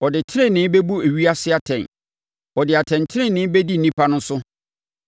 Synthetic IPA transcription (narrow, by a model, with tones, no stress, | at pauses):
ɔ˨dɪ˨tʰɪ˦ɾɪ̃˦nɪ̃˦be˦bu˦e˨ɥi˦a˦sɪ˦a˨tʰɛ̃˨n | ɔ˨dɪ˨a˨tʰɛ̃˨ntʰɪ˦ɾɪ̃˦˨nɪ̃˦bɛ˦di˦n̩˨nĩ˦pʰa˦nʊ̃˦sʊ˦